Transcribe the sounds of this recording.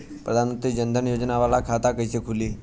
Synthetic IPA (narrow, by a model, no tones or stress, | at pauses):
pɾəd̪ʱanmənt̪ɾiːd͡ʑənd̪ʱənjod͡ʑnaʋalakʰat̪akəjsekʰuliː